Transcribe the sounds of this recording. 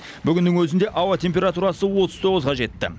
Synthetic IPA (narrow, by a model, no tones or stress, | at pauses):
bʏɡʲɪnd̪ɪŋwɵzɪnd̪e̞ʔɑwɑt̪ʰʲe̞mp̬ʲe̞ɾat̪uɾɑsəwo̞t̪əzt̪ʰo̞ʁəzʁɑʒe̞t̪ːɪ̰